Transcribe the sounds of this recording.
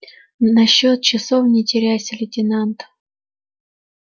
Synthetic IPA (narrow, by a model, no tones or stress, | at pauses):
nɐɕːot̪̚t͡ɕɪsofnʲɪtʲɪɾʲæsʲəlʲɪtʲɪnant̪